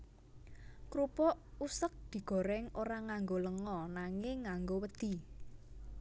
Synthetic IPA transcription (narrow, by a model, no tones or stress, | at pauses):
kɾupɔʔusək̚d̪̥i̤ɡ̥ɔ̤ɾɛŋoɾaŋaŋɡoləŋɔnaŋɪŋːaŋɡowəd̪̥i̤